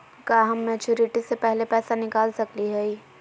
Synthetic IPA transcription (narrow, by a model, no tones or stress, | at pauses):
kaɦɐmːɛːt͡ʃuːɾɪʈisepɛɦlepɛːsanɪkaːlsɐkliɦɛi